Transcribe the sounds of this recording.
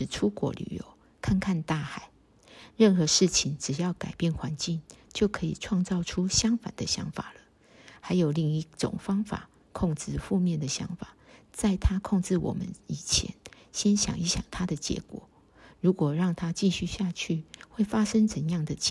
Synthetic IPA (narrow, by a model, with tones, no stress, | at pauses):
ɻ̩˥˩ʈ͡ʂʰu˥kwɔ̰˧˥ly̰˨˩jo̰˧˦ʊ | kʰa˥˩˧nkʰa˥˧nt̪a˥˩xa˨˩˦ɪ | ɻə˥˩nxɤ˨˧˦ʂɻ̩˥˩t͡ɕʰi˨˩ŋʈ͡ʂɻ̩˨˩jɑ˥˩ʊka˨˩ɪpjɛ˥˩nxwa˧˦nt͡ɕi˥˨˩ŋt͡ɕjo˥˩ʊkʰɤ˧˥ḭ˨˩ʈ͡ʂʰwɑ˥˧ŋt͡sɑ˥˨˩ʊʈ͡ʂʰu˥˦ɕjɑ˥ŋfa̰˨˩nd̪ə˨˦ɕjɑ̰˧˥ŋfa̰˨˩lə˦ | ha˧˥ɪjo˨˩ʊli˥˧ŋi˥˩ʈ͡ʂʊ̰˨˩ŋfɑ˥ŋfa̰˨˩ | kʰo˥˩ŋt͡sɹ̩˥˧fu˥˧mjɛ˥˨nd̪ə˩ɕjɑ̰˧˥ŋfa˨˩t͡sa˥˩ɪt̪ʰa˦kʰo˥˧ŋʈ͡ʂɻ̩˥˩wɔ̰˨˩mə̰˦ni˨˩t͡ɕʰjɛ̰˧˦n | ɕjɛ˦˥nɕjɑ̰˨˩ŋi˧˥ɕjɑ̰˨˩ŋt̪ʰa˥d̪ə˨t͡ɕjɛ̰˧˥kwɔ̰˨˩˦ | ɻu˨˥kwɔ˨˩ɻɑ˥˩ŋt̪ʰa˦t͡ɕi˥˧ɕy˥˧ɕja˥˧t͡ɕʰy˥˩we˥˩ɪfa˥ʂə˥ŋt͡sə˨˦njɑ˥˩ŋd̪ə˩t͡ɕ